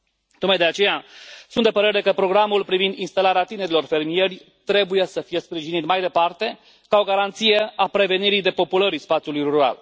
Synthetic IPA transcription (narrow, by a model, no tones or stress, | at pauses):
t̪ok̚majd̪eat͡ʃe̞jasunt̪d̪e̞pəɾe̞ɾe̞kəpɾo̞ɡɾamulpɾivind̪inst̪alaɾeat̪ine̞ɾilo̞rfe̞rmije̞rʲ | t̪ɾe̞buje̞səfije̞spɾiʒinit̪majd̪e̞part̪e̞ | kao̞ɡaɾant̪sijeapɾe̞ve̞niɾijd̪e̞po̞puləɾispat̪sjulujruuɾa̰l